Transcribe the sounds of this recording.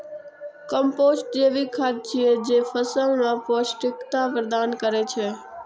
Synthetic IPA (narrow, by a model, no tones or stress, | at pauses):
kəmpoːsʈ̚d͡ʒeːʋikʰad̪̚t͡ʃʰied͡ʒeːfəsə̃ŋnapoːsʈɪkt̪apɾəd̪aːnkəɾet͡ʃʰeː